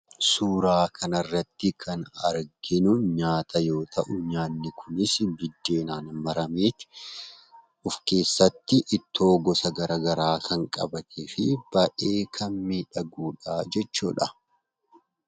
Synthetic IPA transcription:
suːɾaːkʰɐnɐrːɐt̪ːɪkʰɐnɐ̰ɾɡɪnʊɲaːt̪ʰɐjo̞ːt̪ʰɐʔʊɲaːnːɪkʰʊnɪsbɪd̪ːe̞ːnaːnmɐɾɐmeːt̪ɪ̥ | ʔʊfke̞ːsːɐt̪ːɪʔːt̪ːo̞ːɡɔsɐɡɐɾɐɡɐɾaːkʰɐŋkʼɐ̰bɐt̪ʰefɪb̥ɐʔe̞ːkʰɐnmiːᶑɐɡuːᶑaːd͡ʒɛt͡ʃːuːᶑɐ

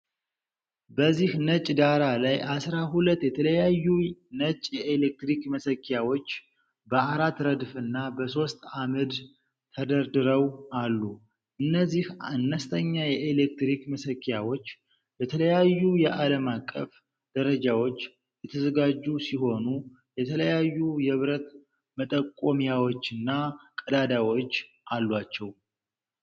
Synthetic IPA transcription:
bəzːihnət͡ʃʼd̪aɾalajʔasɾaɦulət̪ːjɛt̪ʰələjajːunət͡ʃʼːjɛelek̚t̪ɾikməsəkʰːjawo̞t͡ʃː | bəaɾat̪ɾəd̪fɨnːabəso̞st̪amɨd̪ | t̪ʰəd̪əɾd̪ɨɾəwʔalːu | ʔɨnːəzːihaanːəst̪ʰəɲːajɛʔelekt̪ɾikməsəkʼːjawo̞t͡ʃː | bət̪ʰələjajːujɛʔaləmakʼːə̰f | d̪̥əɾəd͡ʒawo̞t͡ʃː | jɛt̪ʰəzəɡad͡ʒːusiho̞nu | jɛt̪ʰələjajːujɛβɾət̪ | mət̪ʼəkʼomijawo̞t͡ʃːɨnːakʼəd̪ad̪awo̞t͡ʃː | ʔalːwat͡ʃːɛw

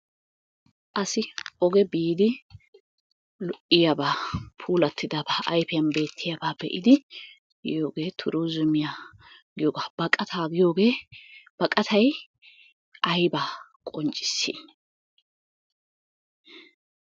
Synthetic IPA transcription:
ʔɐsɪɔɡɛbiːd̪ɪ | lɔʔɪjabaːpʰuːlɐt̪ʰːɪd̪aːbaːʔɐjfɪjɐnbe̞ːt̪ʰːɪjabaːbɛ̰ʔɪd̪ɪ | joːɡe̞ːt̪ʰʊɾuːzʊmɪjaːɡɪjoːɡaːb̥ɐkʼɐt̪ʰaːɡɪjo̞ːɡe̞ːb̥ɐkʼɐt̪ʰɐj | ʔɐjbaːkʼɔnt͡ʃʼːɪ̥sːḭːn

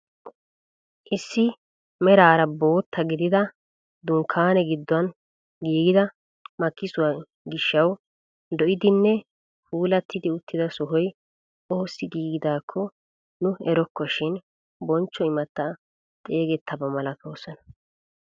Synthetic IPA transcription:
ʔɪsːɪ | mɛɾaːɾɐbo̞ːt̪ʰːɐɡɪd̪ɪd̪ɐ | d̪ʊŋkʰːaːnɛɡɪd̪ːɔɐn | ɡiːɡɪd̪ɐ | mɐkːɪsʊwa | ɡɪʃːɐw | d̪ɔʔɪd̪ɪnːɛ | fuːlɐt̪ːɪd̪ɪʊt̪ːɪd̪ɐsɔɦɔj | o̞ːsːɪɡiːɡɪd̪aːkʰːɔ | nʊɛɾɔkːɔʃɪn | bɔnt͡ʃːɔɪmɐt̪ːa | t̪ʼe̞ːɡɛt̪ʰːɐbɐmɐlɐt̪ʰo̞ːsɐnɐ̥

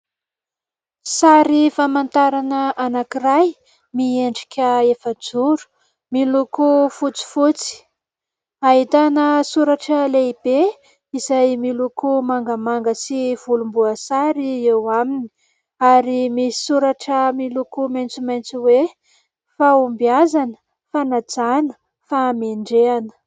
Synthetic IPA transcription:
saɾifamant̪aɾanəanakiraj | mieɳɖ͡ʐi̥kʲʰəefəd͡zuɾu̥ | milukufut͡si̥fut͡si̥ | aɦit̪anəsuɾaʈ͡ʂəleib̥e | izajmilukumaŋɡamaŋɡəsiv̥ulumbuasaɾiewamini̥ | aɾimisi̥suɾaʈ͡ʂəmilukumajnt͡sumajnt͡suwe | faumbiazanə̥ | fanad͡zanə̥ | fameɳɖ͡ʐeanə̥

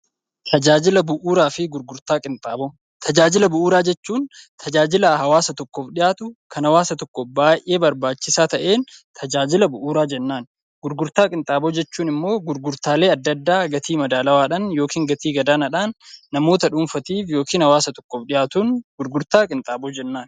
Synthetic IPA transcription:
t̪ʰɐd͡ʒaːd͡ʒɪlɐbʊʔuːɾaːfɪɡʊɾɡʊɾt̪aːkʼɪnt̪ʼaːbo | t̪ʰɐd͡ʒaːd͡ʒɪlɐbʊʔuːɾaːd͡ʒɛt͡ʃːuːnt̪ʰɐd͡ʒaːd͡ʒɪlaɦɐwaːsɐt̪ɔkːɔfᶑɪjaːt̪ʊkʰɐnɐwaːsɐt̪ɔkːɔbaːjʔe̞ːbɐɾbaːt͡ʃːɪsaːt̪ɐʔe̞ːnt̪ʰɐd͡ʒaːd͡ʒɪlɐbʊʔuːɾaːd͡ʒɛnːaːn | ɡʊɾɡʊɾt̪aːkʼɪnt̪ʼaːboːd͡ʒɛt͡ʃːuːnɪmːo̞ːɡʊɾɡʊɾt̪aːle̞ːɐd̪ːɐd̪ːaːɡɐt̪ʰiːmɐd̪aːlɐwaːᶑɐnjoːkiːŋɡɐt̪iːɡɐd̪aːnɐᶑaːnːɐmo̞ːt̪ɐᶑʊːnfɐt̪iːfjo̞ːkʰiːnhɐwaːsɐt̪ɔ̥kːɔfᶑɪjaːt̪uːnɡʊɾɡʊɾt̪aːkʼɪnt̪ʼaːbod͡ʒɛnːaːn

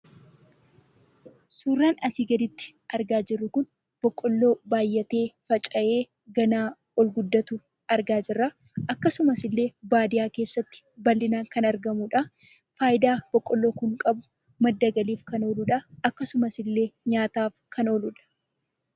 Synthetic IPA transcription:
suːrːaːnɐsiːɡɐd̪ɪt̪ːɪ̥ɐɾɡaːd͡ʒɪrːʊkʊn | b̥ɔkʼːɔlːo̞ːbaːjːɐt̪e̞ːfɐt͡ʃʼɐʔe̞ː | ɡɐnaː | ɔlɡʊd̪ːɐt̪uː | ɐɾɡaːd͡ʒɪrːa | ʔɐkːɐsʊmɐsɪlːe̞ːbaːd̪ɪjaːke̞ːsːɐt̪ːɪ̥bɐlːɪnaːŋkɐnɐɾɡɐmuːᶑɐ | faːjɪd̪aːb̥ɔkʼːɔlːo̞ːkʊŋkʼɐbʊ | mɐd̪ːɐɡɐliːfkɐno̞ːlʊᶑɐɐkːɐsʊmɐsɪlːe̞ːɲaːt̪aːfkʰɐno̞ːlʊᶑɐ̥

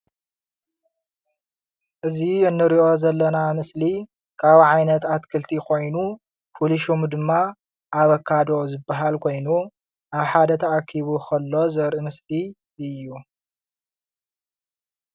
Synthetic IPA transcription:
ʔɨziɨnːɨɾiʔo̞zɐlːɐnamɨsli | kʰaβʕajnɐt̪at̪kʰɨlt̪ʰikʰo̞jnu | fuliʃomd̪ɨmːa | ʔaβɐkʰːad̪o̞zɨbːaɦalkʰo̞jnu | ʔaβħad̪ɐt̪ʰɐʔakʰːiβukʰɐlːo̞zɐɾʔɨmɨsli | ɨjːu

